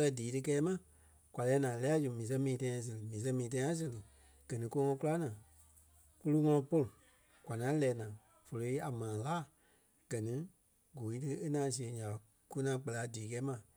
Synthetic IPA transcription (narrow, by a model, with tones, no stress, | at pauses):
lɜ˧diː˨˦tɨ˧kɛː˦mã˨ | kʷa˨lɛː˨˦nãː˨lɛ˧˦a˦d͡ʒu˨mĩː˨s̬ɛ̃˧˦mĩː˨˧tã˧˦ã˧s̬ɨ˨lɨ˨mĩː˨s̬ɛ̃˦mĩː˨tã˧˦ã˦s̬ɨ˧˨lɨ˨ | ɡ̥ɜ˨nĩ˦ko˧˦ŋɔ̃˧˦ku˦la˦nãː˨ | ku˦lu˦ŋɔ̃˧lɔ̃˧po˧lu˨ | kʷwʷa˨nã˨˦lɛː˨˦nãː˨ | fo˨lo˧˦i˦a˨mãː˨laː˦˨ | ɡ̥ɜ˨nĩ˦ | ɡo˨˦i˦tɨ˧˦e˦nãː˨˦s̬i˧˨e˨˧˦ɲã˨ | ku˦nãː˨˦k͡pɛ˧la˨˦diː˨˦kɛː˨˦mã˨